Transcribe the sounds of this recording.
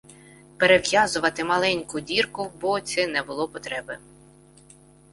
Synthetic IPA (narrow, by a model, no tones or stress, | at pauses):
peɾeʋjazʊʋɐt̪ɪmɐlˠɛnʲkʊdʲirkʊbɔt̪sʲɛnɛbʊlˠɔpɔt̪ɾɛbɪ